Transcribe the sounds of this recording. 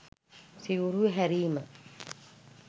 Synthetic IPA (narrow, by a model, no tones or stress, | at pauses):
siuɾuɦæɾiːmə